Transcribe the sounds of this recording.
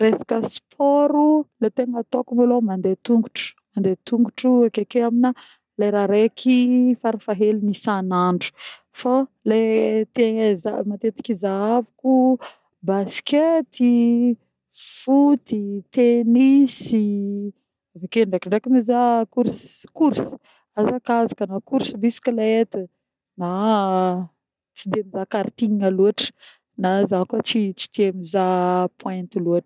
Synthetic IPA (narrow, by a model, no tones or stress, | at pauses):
resḁkəspʰɔɾulet̪enat̪okumalomand̪et̪uŋɡuʈ͡ʂu̥mand̪et̪uŋɡuʈ͡ʂuakekeamina | lajɾaɾekʰifaɾafaɦelunisanaɳɖ͡ʐu̥ | falet̪eza̰mat̪et̪i̥kizaavuku | basket̪i | fut̪it̪enisi | avakeɳɖ͡ʐakiɳɖ͡ʐakimizakuɾskuɾsi̥ | azakazakənakuɾsibisi̥kalaet̪ə | na | t͡sid̪emizakaɾt̪iɲiŋaluaʈ͡ʂə̥ | nazakuat͡sit͡si̥t̪eamizapwɛ̃nt̪iluaʈ͡ʂə̥